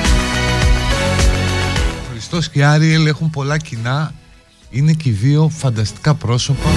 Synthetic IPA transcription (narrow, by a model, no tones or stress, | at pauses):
oxɾist̪o̞sciɐɾiele̞xumpo̞lɐcinɐ | ine̞ciðio̞fɐnd̪ɐst̪i̥kɐpɾo̞so̞pɐ